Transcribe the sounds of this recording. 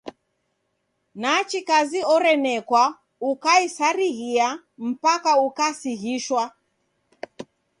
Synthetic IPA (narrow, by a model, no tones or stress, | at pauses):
naːt͡ʃikaziɔɾɛnɛkwa | ukaisaɾiɣia | m̩pakaukasiɣiʃwa